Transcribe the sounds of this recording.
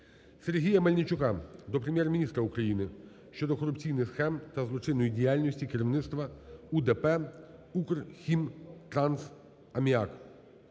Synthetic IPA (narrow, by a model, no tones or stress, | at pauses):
serɦʲijɐmɐlʲnʲit͡ʃʊkɑd̪ɔpɾemʲjɛrmʲinʲist̪ɾɐukɾɐjinɪ | ʃt͡ʃɔd̪ɔkɔɾʊpt͡sʲijnɪxsxɛmt̪ɐzlˠɔt͡ʃɪnːɔjidʲijalʲnʲɔsʲtʲikeɾʲiʋnɪt̪st̪ʋɐud̪ɛpɛukrxʲimt̪ɾɑns | ɐmʲiak